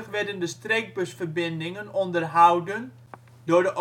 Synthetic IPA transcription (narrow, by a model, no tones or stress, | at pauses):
fʋɛdəndəstreːk̚bøsfərbɪndɪŋənɔndərɦawdən | dʊːrdəʔ